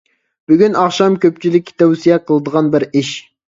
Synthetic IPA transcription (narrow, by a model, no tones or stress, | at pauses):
b̥yɡʲynɑχʃɑmkʲøpt͡ʃʰilɪkʲt̪ʰɛwsijɛqʰəlˠɨd̪əʁɑnbɪɾiʃ